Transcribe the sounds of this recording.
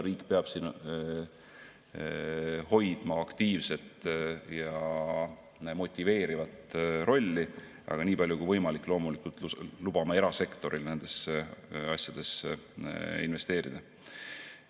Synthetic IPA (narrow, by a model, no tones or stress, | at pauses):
ɾiːkːpeɑb̥siːn | ho̞jd̪̥mɑɑkt̪iːvse̞t̪jɑ | mo̞t̪ʲːˑive̞ːɾivɑt̪ɾʔo̞lʲːi | ʔɑ̰ɡ̥ɑniːbɑlʲjukujvɤjmɑlikːˑlo̞ːmulikult̪lub̥ɑmɑe̞ɾɑse̞kt̪o̞ɾilne̞nd̪̥e̞s | ɑsʲjɑd̪̥e̞s | inve̞st̪e̞ːɾid̪̥ɑ